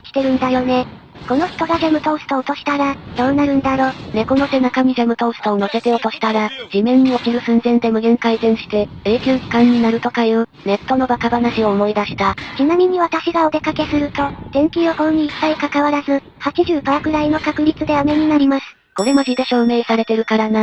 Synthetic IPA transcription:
kʲi̥t̪e̞ɾɯ̟̃nd̪ajo̞ne̞ | ko̞no̞çi̥t̪o̞ɡazemɯ̟t̪o̞sɨ̥t̪o̞ːt̪o̞ɕi̥t̪aɾad̪̥o̞ːnaɾɯ̟̃nd̪aɾo̞ːne̞ko̞no̞t̪e̞nakamʲizemɯ̟t̪o̞st̪o̞ːno̞se̞t̪e̞o̞t̪o̞ɕi̥t̪aɾad͡ʑimẽ̞ɲ̟ːio̞kʲiɾɯ̟sɨ̃nzẽ̞nd̪e̞mɯ̟ɡẽ̞ŋkaizẽ̞ɰ̃ɕi̥t̪e̞eːkʲoːkʲi̥kãɲ̟ːinaɾɯ̟t̪o̞kajɯːne̞t̪ːo̞no̞bakabanaɕio̞ːmo̞id̪aɕi̥t̪at͡ɕinamʲiɲ̟iβat̪aɕiɡao̞d̪e̞kake̞sɨɾɯ̟t̪o̞t̪ẽ̞ŋkʲioko̞ɲ̟iːpːaikakaβaɾazɨ | hat͡ɕiʑɨːpaːkɯ̟ɾaino̞kakɯ̟ɾʲit͡sɨd̪e̞ame̞ɲ̟inaɾʲimasɨ̥ | ko̞ɾe̞moʑid̪e̞ɕo̞ːme̞ːsaɾe̞t̪e̞ɾɯ̟kaɾana

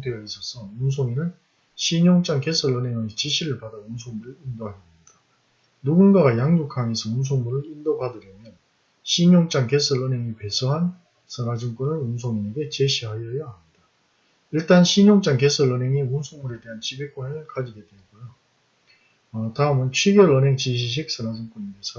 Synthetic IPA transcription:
dejʌis͈ʰʌsʰʌuns̬ʰoŋinɯn | ɕʰiɲoŋt͡ɕ͈aŋke̞sʰʌɭːʌnɦe̞ŋʌt͡ɕiɕʰiɾɯɭpadaunsʰoŋmuɾɯɭindoɦaɡemɲida | nuɡunɡaɡajaŋɲokʰaŋesʰʌuns̬ʰoŋmuɾɯɭindobadɯɾjʌmjʌn | ɕʰiɲoŋt͡ɕ͈anke̞sʰʌɭːʌnɦe̞ŋipe̞sʰʌɦan | sʰɯnad͡ʑɯŋk͈unɯɭunsʰoŋine̞ɡe̞t͡ɕeɕʰiɦajʌjʌamid̥a | iɭt͈anɕʰiɲoŋt͡ɕ͈aŋke̞sʰɯɭːʌnɦeŋiunsʰoŋmuɾe̞de̞ɦant͡ɕibek͈onɯɭkad͡ʑiɡedwenɡojo | ʌtaɯmɯnt͡ɕʰwiɡjʌɭʌnɦe̞ŋt͡ɕiɕ̬ʰiɕ̬ʰik̚s͈ʰʌnad͡ʑɯŋk͈uniɡesʰʌ

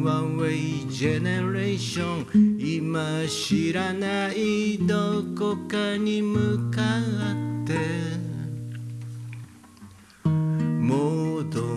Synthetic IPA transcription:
wawed͡ʒɛnɛɹeʃɔ̃nimaʃiɾanaid̪okokanimɯkalat̪e | mod̪o

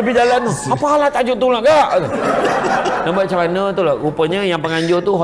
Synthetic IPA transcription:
əbɪd͡ʒalant̪uapaalat̪ad͡ʒʊʔt̪ulaʔɡaʔd̪ | nabuat̪̚t͡ʃalanət̪ulaʔupəɲəjaŋpəŋaɲd͡ʒʊrt̪uɦ

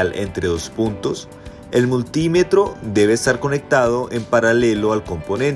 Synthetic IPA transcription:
lʔḛnt̪ɾe̞ðospunt̪o̞s | e̞lmult̪ime̞t̪ɾo̞d̪e̞βe̞ːst̪aɾko̞ne̞k̚t̪að̞o̞ʔe̞mpaɾale̞loalko̞mpo̞nẽ̞n

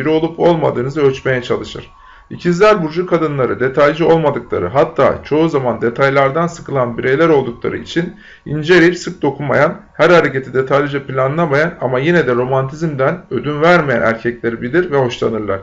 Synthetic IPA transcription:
iɾio̞lˠupo̞lˠma̰d̪ɯːnɯzɯøt͡ʃme̞jɛt͡ʃʰalˠɯʃɯ̰ɾ̥ | icʰinzlʲæɾbuɾd͡ʒukʰad̪ɯnlˠaɾɯd̪e̞t̪ʰalʲd͡ʒio̞lˠmad̪ɯklˠa̰ɾɯ̰ɦat̪ʰːa̰ːt͡ʃʰo̞uzamand̪e̞t̪ʰajlˠaɾd̪ansɯ̥kʰɯlˠanbiɾejlʲæɾo̞lˠd̪uklˠa̰ɾɯit͡ʃʰin | ind͡ʒe̞ɾiɾsɯk̚d̪o̞kʰunma̰janhæɾhaɾecet̪ʰid̪e̞t̪ʰalʲd͡ʒɯpilʲanɯlˠamajanamajinɛd̪ɛɾo̞mant̪ʰizmd̪ænø̞d̪ynvæɾmejæ̰næ̰ɾcʰɛclʲe̞ɾibilʲiɾvɛho̞ʃlˠanɯɾlˠaɾ̥

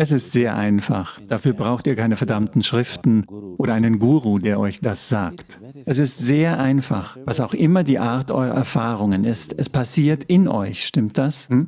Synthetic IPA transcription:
ɛsɪstz̥eːɐʔa̰ɪnfa̰χd̥afyːɐbʁaʊxtiːɐkʰaɪnəfɛɐdamtn̩ʃʁ̥ɪftn̩ʔoːɾɐʔaɪnənɡuːʁudeːɐʔɔʏçd̥asz̥aːkt | ʔɛs̬ɪstz̥eːɐʔaɪnfa̰χvasaʊxʔɪmɐdiːʔaɐtʔɔ̰ʏʁɐ̰ʔɛ̰ɐfaːʁ̞ʊŋənɪstʔɛspʰasiːɐtʰɪnʔɔ̰ʏçʃtɪmtd̥ashm̩

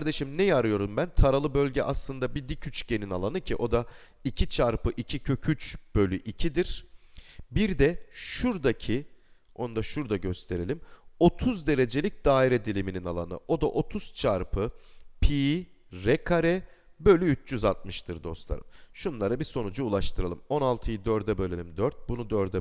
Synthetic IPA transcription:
kʰaɾd̪e̞ʃimnɛjaɾɯjo̞ɾumbænt̪ʰaɾalˠɯbø̞lʲɟɛʔaslˠɯnd̪abid̪icʰyt͡ʃɟeninalˠanɯcʰiʔo̞d̪a | icʰit͡ʃʰaɾpɯʔicʰicʰycʰyt͡ʃb̥ø̞lʲyʔicʰid̪iɾ̥ | biɾd̪ɛʃuɾd̪acʰi | o̞nd̪aʃuɾd̪aɟøst̪ʰe̞ɾelʲimo̞t̪ʰuzd̪e̞ɾe̞d͡ʒe̞lʲic̚d̪aːiɾɛd̪ilʲimininalˠa̰nɯ̰o̞d̪aʔo̞t̪ʰuz̥t͡ʃʰaɾpʰɯpʰi | ɾɛkʰaɾɛbø̞lʲyyt͡ʃjyzat̪̚mɯʃt̪ʰɯɾd̪o̞slˠa̰ɾɯ̰mʃunlˠaɾabiso̞nud͡ʒuːlˠaʃt̪ʰɯɾalˠɯmo̞nalˠt̪ʰɯjɯd̪øɾd̪ɛbølʲelʲimd̪øɾt̪̚bunud̪øɾd̪ɛ

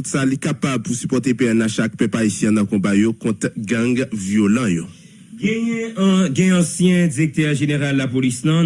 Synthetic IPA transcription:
ut̪salikapab̚pusypɔʁt̪epeãnãʃak̚pɛpaisjɛ̃nɐ̃kɔ̃bajokɔ̃t̪ɡʌ̃ɡvjolʌ̃jo | ɡɛɛɡɛ̃ɛ̃ɑ̃sjɛ̃d͡ziʁek̚t̪ɛʁʒeneʁalːapolisnʌ̃

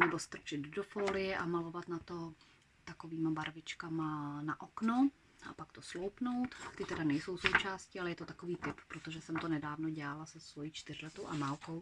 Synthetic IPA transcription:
nɛbost̪r̩t͡ʃɪd̪dofoːlɪjɛʔamalo̞vat̪nat̪o̞ | t̪akoviːmabaɾvɪt͡ʃkamanaʔokno | ʔapakt̪oslowpnowt̪t̪ɪt̪ɛdanɛjso̞wsowt͡ʃaːscɪalɛjɛt̪ot̪akoviːt̪ɪppɾot̪oʒɛsɛmt̪onɛdaːvnoɟɛalasɛsvojiːt͡ʃt̪ɪrlɛt̪owʔamaːlkow

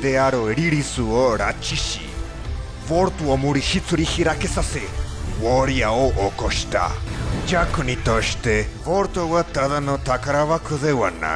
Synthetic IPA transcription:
d̪eaɾɔeɾiɾisuɔɾat͡ʃiʃḭ | vɔɾt̪uɔmuɾiʃit͡sʰuɾihiɾakesasewɔɾiaɔʔɔkɔʃt̪a̰d͡ʒakʰunit̪ɔʃt̪ɛvɔɾt̪ɔwat̪aðanɔt̪akaɾaβakʰɔðewana̰

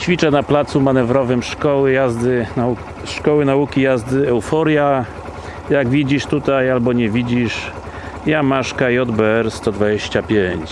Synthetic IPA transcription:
t͡ɕfʲit͡ʂɛnaplat̪sumanɛvɾɔvɘmʂkɔwɘjazd̪ɘ | ʂkɔwɘnaukʲijazd̪ɘɛwfɔɾja | jaɡvʲid͡ʑiʂt̪ut̪ajalbɔɲɛvʲid͡ʑiʂ | jamaʂkajɔd̪bɛɛɾst̪ɔd̪vad͡ʑeɕt͡ɕapʲjeɲt͡ɕ

